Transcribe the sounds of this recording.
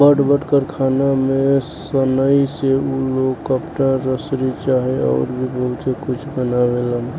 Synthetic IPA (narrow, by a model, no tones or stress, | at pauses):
bəʈbəʈkəɾkʰanamẽsənəiseuloɡkəpʈaɾəsɾit͡ʃaɦeɔ̰ːɾbʱibʱəɦut̪sekut͡ʃʰbənabelən